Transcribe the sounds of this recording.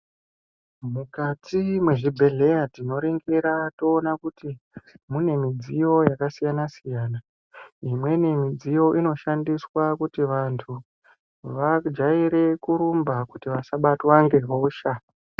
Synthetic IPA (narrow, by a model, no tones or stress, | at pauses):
mukatimwe̞ʐibʱe̞ɮe̞jatino̞ɾiŋɡiɾato̞ːnakutimune̞mid͡zijo̞jakasijanasijaːna | imwe̞ne̞mid͡zijo̞ʔino̞ʃandiswakutiʋantʰu | ʋad͡ʒaiɾe̞kuɾumbakutiʋasaɓatwaŋɡe̞ɦo̞ːʃa